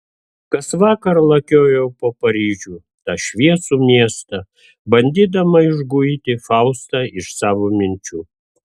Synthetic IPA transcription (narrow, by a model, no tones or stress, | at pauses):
kɐsʋɑːkɐɾlˠɐkʲoːjɛʊpoːpɐɾʲiːʒʲuː | t̪ɑʃʲʋʲiɛsuːmʲiɛst̪ɐ | bɐnʲd̪ʲiːd̪ɐmɐɪʒɡʊit̪ʲɪfɑʊst̪ɑɪʃsɑːʋoːmʲɪnʲt͡ʃʲuː